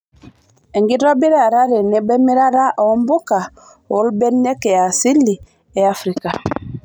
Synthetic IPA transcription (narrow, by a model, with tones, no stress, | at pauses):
ɛ˨ŋɡi˦ɾɔ˦bi˦ɾa˦˨ɾa˦ɾe˨ne˨˦bɛ˦mi˦ɾa˦ɾa˦ʔɔ˨˦mbu˦ka˨ | o˨˦lbɛ˦nːe˦kɛ˨a˨si˦lːi˨ | ɛ˨a˦fɾi˦ka˨